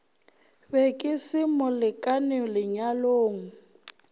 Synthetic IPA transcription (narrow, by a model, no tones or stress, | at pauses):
bɛkʼɪsɪmʊlɪkʼanɛlɪɲaloːŋ̩